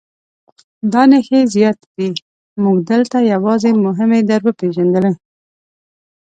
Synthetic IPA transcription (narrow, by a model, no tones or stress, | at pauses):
d̪ɑnəxezijɑt̪d̪i | muɡd̪əlt̪ajawɑzemʊɦɪmed̪aɾbəpeʒand̪ələ